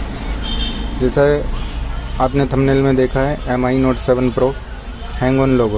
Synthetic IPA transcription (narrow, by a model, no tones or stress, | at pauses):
d͡ʒɛːsa | aːpnet̪ʰɐmnelmẽd̪eːkʰaɦɛʔɛmaːinoːʈsɛʋənpɾoː | hɛ̃ːŋɡoːnloːɡo